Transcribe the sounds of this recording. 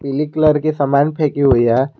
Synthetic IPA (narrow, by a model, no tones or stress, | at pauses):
pilikləɾkisɐmaːnpʰɛːkiɦuija